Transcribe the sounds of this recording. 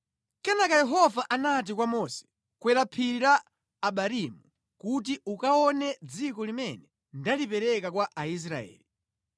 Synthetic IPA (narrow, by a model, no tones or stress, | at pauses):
kɛnakajɛɦɔvaʔanat̬ikwamɔsɛ̥ | kwɛɾapʰiɾaː | ɓaɾimu | kut̬iukaɔnɛd͡zikɔlimɛnɛ | ndalipɛɾɛkakwaʔais̬ɾa̰ɛ̰ːli